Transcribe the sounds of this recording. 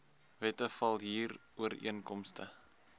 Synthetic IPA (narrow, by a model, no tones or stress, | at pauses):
vɛtəfɐlˠɦiːruəɾḭənkɔmstə̰